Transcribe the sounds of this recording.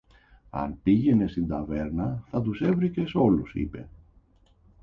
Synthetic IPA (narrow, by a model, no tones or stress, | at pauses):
ɐ̰npiʝe̞ne̞st̪ind̪ɐve̞ɾnɐθɐt̪̬use̞vɾice̞so̞lusḭpe̞̰